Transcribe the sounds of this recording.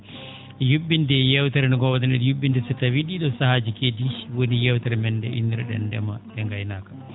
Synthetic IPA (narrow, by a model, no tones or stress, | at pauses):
jubːindɛjɛwt̪aɾɛnɔɡɔwad̪ɛnɛɾjubːindɛsɛtːawiɗiɗɔsahad͡ʒikediwonijɛwtaɾɛmɛndɛ̰ʔḭndiɾɛɗɛ̰ndɛ̰maɗɛŋɡajnaːkḁ